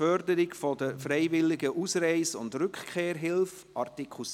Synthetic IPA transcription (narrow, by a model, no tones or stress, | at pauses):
œɾdəɾɪɡfɔdəfɾeɪvɪlɪɡəʔusɾɛɪsʊ̰ndɾʏkχkʰeːɾɦɪlf | ʔɑɾtikʰus